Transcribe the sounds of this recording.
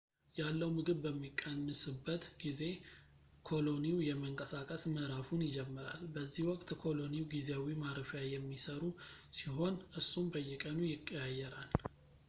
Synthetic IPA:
jalːəwmɨɡɨβbəmːikʼːənːɨsɨbːət̪ɡize̞ | kʰo̞lo̞niwjɛməŋkʼəsakʼəsməʔɾafunjɪd͡ʒɛmːɨɾa̰lbəzːihwɔkʼt̪kʰo̞lo̞niwɡizeawimaɾəfjajɛmːisəɾusiɦo̞nʔɨsːumbəjːɛkʼənujɪkʼːjajɛɾal

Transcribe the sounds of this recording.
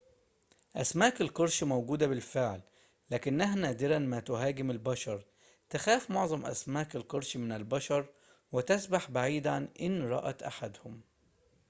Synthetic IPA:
ʔæsmaːkalqʊɾˤʃmowɡuːd̪abɪlfɪʕlː | æːkɪnːæɦnæːd̪ɪɾænmæt̪ʊɦaːɡɪmɪlbæʃɑɾˤ | t̪axæːfmoʕzˤɑmʔæ̰smaːkalqɑɾˤʃmɪnɪlbɑʃɑɾˤ | wɪt̪ɪsbaħbaʕiːd̪ʕanʔɪnɾˤɑ̰ʔæt̪ʔaħad̪hʊm

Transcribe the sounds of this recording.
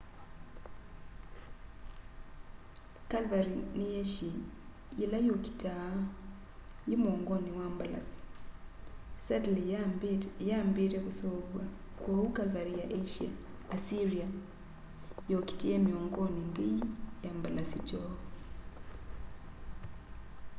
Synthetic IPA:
kalvaɾinijeʃi | ilajoki̥ta | jimoːŋɡoniwambala̰si̥ | sadli | jaːmbiɾekusoβwa | kwokukalvaɾijaʔeʃia̰ː | siɾia | joki̥tiemioːŋɡonimbiijambalasit͡ʃoːo

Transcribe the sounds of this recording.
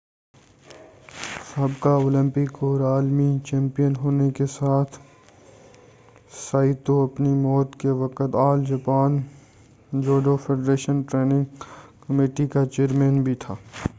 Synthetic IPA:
sɐbkaoːlɪ̃mpɪkɔːɾaːlmit͡ʃɛ̃ːmpijənɦoːnekesaːt̪ʰ | saːɪt̪oɐpnimɔːt̪keʋɐkət̪aːld͡ʒɐpaːn | d͡ʒoːɖofʰeːɖɾeːʃənʈɾeːnɪ̃ŋɡkəmeːʈikat͡ʃeːɾmẽːnbʱit̪ʰaː

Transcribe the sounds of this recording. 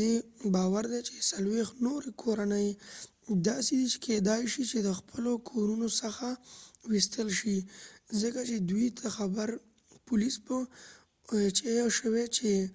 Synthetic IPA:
ebɑwaɾd̪et͡ʃe̥salwext̪noɾekʰoɾanəj | d̪ɑsed̪it͡ʃe̥kʰed̪ɑjʃit͡ʃed̪əxpʰəlokʰoɾunosəxawist̪əlʃizəkat͡ʃed̪wuit̪ʰaxabəɾ | pʊlispə | t͡ʃejʃəwet͡ʃe

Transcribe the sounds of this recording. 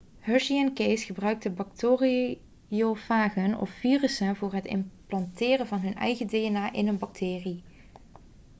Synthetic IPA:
hœɹʃiɛnkejsχəbrœɥk̚təbɑk̚toːri | jofaːχənɔ̰ffiːrəsənvʊːɹɦətɪ̰mplɑntɪːrənvɑnɦɵnɛ̰jɣədeənaːʔɪnənbɑk̚tʰɪːri

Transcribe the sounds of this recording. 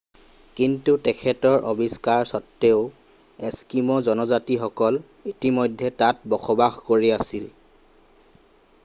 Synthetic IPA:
kintutɛkʰɛtɔɹʔobiskaɹsɔtːeʊ | eskimɔzɔnɔzatixɔkɔl | itimɔjdʱːɛtat̚bɔxɔbaxkoɹiasil

